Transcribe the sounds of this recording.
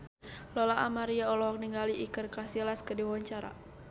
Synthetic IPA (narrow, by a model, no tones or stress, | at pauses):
lɔlaʔamaɾiaɔlɔɦɔk̚niŋɡaliʔikərkasilaskədiawaɲt͡ʃaɾa̰